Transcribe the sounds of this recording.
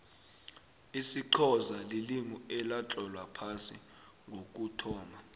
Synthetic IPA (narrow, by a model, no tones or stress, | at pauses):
isiǃʰɔzaliliŋuɛlat͡ɬʼɔlwapʰasḭ | ŋɡʱok̬ʼutʰɔːma